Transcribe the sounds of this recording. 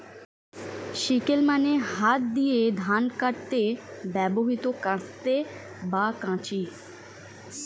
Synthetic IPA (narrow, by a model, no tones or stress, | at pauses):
ʃikɪlmãneɦaːt̪̚d̪ied̪ʱaːnkəʈt̪eʋɛːboɦit̪okəɽ̃t̪e | baːkãːt͡ʃiː